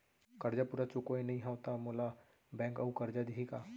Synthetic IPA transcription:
kɐɾd͡ʒapuːɾat͡ʃukoinɐɦĩɦaʊt̪amoːla | bɛ̃ːŋkɐukɐɾd͡ʒad̪iɦikaː

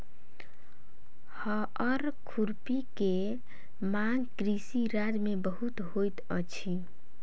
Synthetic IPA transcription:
hə | əɾ | kʰuɾpike | maŋkɾisiɾad͡ʒmebəɦut̪ɦojt̪ət͡ʃʰi

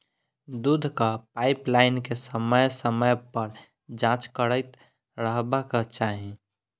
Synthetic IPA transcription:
d̪ud̪ʱkapaɪplaɪnkesəməjsəməjpəɾ | d͡ʒãːt͡ʃkəɾəɪt̪ | ɾəɦbakat͡ʃaːɦẽ

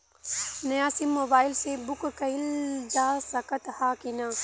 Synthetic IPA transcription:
nɐjaːsɪmːoːbaːɪlsebʊkkɐɪld͡ʒaːsɐkət̪haːkinãː

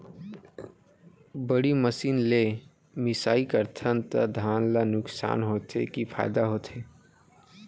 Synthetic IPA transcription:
bəɽiməsiːnle | mɪsaːikəɾt̪ʰənt̪ə̰d̪ʱaːnlanʊksa̰ːnɦoːt̪ḛkipʰa̰ːɪd̪aɦoːt̪ʰeː

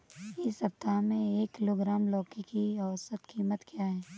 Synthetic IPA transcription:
ɪsɐp̚t̪amẽeːkːɪloːɡɾaːmlɔːkikiɐʋsət̪kiːmət̪kjaɦɛː

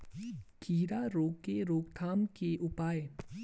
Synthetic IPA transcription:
kʰiːɾaɾoːkeɾoːkt̪ʰaːmkeʔʊpaːe

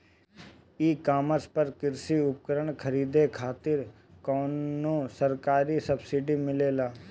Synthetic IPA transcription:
iːkaːməɾspəɾkɪɾsiʊp̚kəɾəɳ̃kʰəɾiːd̪ekʰaːt̪ɪɾ | kɔːnːosəɾkaːɾisəbsiɖimɪleːlaː

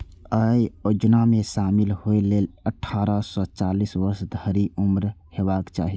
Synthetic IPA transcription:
əjod͡ʒnamẽʃaːmilhoeleləʈʰaɾəsɔt͡ʃalisʋəɾsd̪ʱəɾiumɾhebaːkt͡ʃaːɦi

